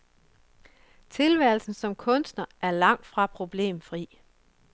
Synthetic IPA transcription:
t͡sʰe̝lʋæɐ̰lsn̩sɒ̽mkʰɔ̽nsd̥nɐʔæɐlɑ̈ŋ̰d̥fʁɑ̈pʰʁo̝b̥le̝̰ːmfʁḭː

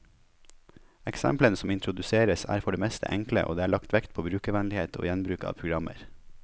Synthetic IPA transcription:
ɛksɛ̰mplənəsɔmɪnt̪ɾʊd̪ʉseːɾəsæ̰ːɾfɔɖeːmɛst̪ə̰ʔɛŋklə̰ʔo̰ːd̪eːæːɭɑkt̪ʋɛkt̪̚pʰoːbɾʉːkəʋɛnlɪheːt̪ʰo̰ːjɛnbɾʉːkɑ̰ːʋpʰɾʊɡɾɑmə̰ɾ

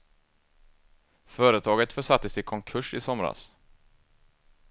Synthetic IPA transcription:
fœːɾət̪ʰɑːɡət̪fœʂat̪ːəsɪkʰɔŋkʰɵʂɪsɔmɾa̰s

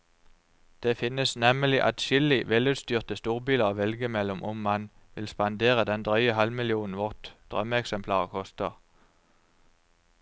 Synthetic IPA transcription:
d̪̥eːfɪnəsnɛməlɪʔɑt̪ʃʏlɪʋɛlʉːt̪st̪yːʁt̪əst̪uːʁbiːləʁʋɛlɡəmɛlɔmʔʊmmɑn | ʋɪlspɑnd̪eːʁəd̪ɛnd̪ʁœʏəhɑlmɪlɪuːnn̩ʋɔʁt̪d̪̥ʁœ̰məɛksɛmpʰlɑːʁəkʰɔst̪əʁ

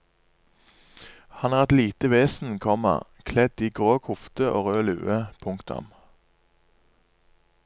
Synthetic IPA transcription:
hɑnæːʁɛt̪liːt̪əʋeːsn̩kʰɔmə̰ʁ | kʰlɛd̪iːɡʁoːkʰʊft̪əʔo̰ːʁøːlʉ̰ːəpʰʊŋkt̪ʊ̰m

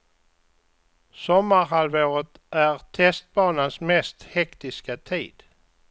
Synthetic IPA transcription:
sɔmːaɾɦalvoːɾət̪ | ʔæɾt̪ʰɛst̪̚bɑːnansmɛst̪hɛkt̪ɪskat̪ʰḭːd̪

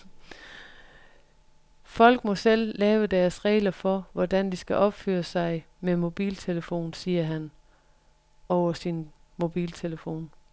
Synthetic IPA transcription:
fɒ̽l̰ɡ̥̚mɒ̽sel̰ːɛːʊəd̥æɐsʁɛ̰ːlɐfɒ̽ʋɒd̥ænd̥isɡ̥æʔɒ̽b̥fø̰ːɐsɑ̈ɪ | memo̝b̥ḭːlt͡sʰe̝ləfo̝̰ːnsiːɐɦæn | ɒʊɐsinmo̝b̥ḭːlt͡sʰe̝ləfo̝̰ːn

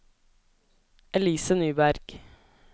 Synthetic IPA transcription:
ʔɛliːsənyːbæɾɡ̥

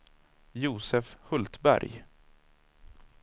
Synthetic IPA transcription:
juːsɛfhɵlt̪bæ̰ɾj

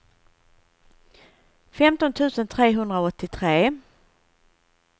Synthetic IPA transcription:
fɛmt̪ɔnt̪ʰʉ̟ːsənt̪ʰɾeːɦɵnd̪ɾaɔt̪ːɪt̪ʰɾeː

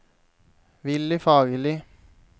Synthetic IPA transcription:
ʋɪlɪfɑːɡəlɪ

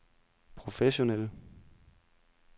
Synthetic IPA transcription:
pʰʁo̝feɕo̝nel̰

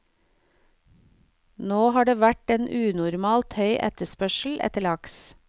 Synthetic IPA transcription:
noːhɑːɖeːʋæʈeːnʔʉːnʊɾmɑːlt̪hœʏʔɛ̰t̪əspœʃl̩ʔɛ̰t̪əɭɑks

